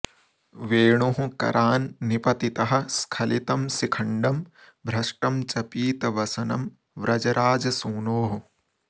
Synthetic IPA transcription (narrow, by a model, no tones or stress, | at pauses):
ʋeːɳuɦũkɐ̰ɾʔaːnːipɐt̪it̪ɐɦɐ̆skʰɐlit̪ɐmsikʰɐɳɖɐm | bʱɾɐʂʈɐmt͡ʃɐpiːt̪ɐʋɐsɐnɐm | ʋɾɐd͡ʒɐɾʔaːd͡ʒɐsuːnoːɦu